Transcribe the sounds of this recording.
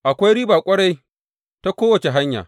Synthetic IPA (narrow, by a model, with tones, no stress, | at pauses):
ʔa˨kʷa˦jɾiː˦baː˨kʷʼɐ˦ɽa˦j | ta˦kʷoː˦wɐ˨t͡ʃe˨ɦa˦ɲja̰ː˨